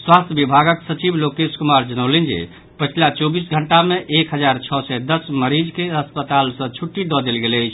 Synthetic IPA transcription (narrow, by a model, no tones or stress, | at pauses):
swast̪ʰjəbibʱaɡəksət͡ʃiblokeskumaɾd͡ʒənəwlɛnd͡ʒḛ | pət͡ʃʰlat͡ʃobisɡʱəɳʈameʔekɦəd͡ʒaɾt͡ʃʰɔsɛd̪əsməɾid͡ʒkeəspət̪alsə̃t͡ʃʰuʈːid̪ɔd̪elɡeləjt͡ʃʰ